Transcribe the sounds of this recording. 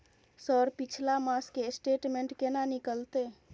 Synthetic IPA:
səɾpit͡ʃʰlamaskesʈeʈmẽɳʈkenanikəlt̪e

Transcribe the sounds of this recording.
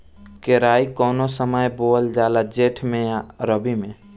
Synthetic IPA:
keɾaːikɔːnosəməjboːld͡ʒaːlad͡ʒeːʈʰmẽɾəbimẽ

